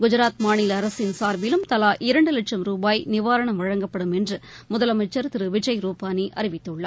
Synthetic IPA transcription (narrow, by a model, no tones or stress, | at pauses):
ɡʊd͡ʒɐɾaːt̪maːnɪlɐɾɐsɪnsaːɾʋɪlɯmt̪ɐlaːʔɪɾɐɳɖɯlɐʈʂɐmɾuːbaːjnɪʋaːɾɐɳɐmʋɐɻɐŋɡɐpːɐɽɯmɛndrɯ | mʊðɐlɐmɐɪt͡ʃːɐɾt̪ɪɾɯʋɪd͡ʒɐɪɾuːpaːniʔɐɾɪʋɪt̪ːɯɭːɐ̰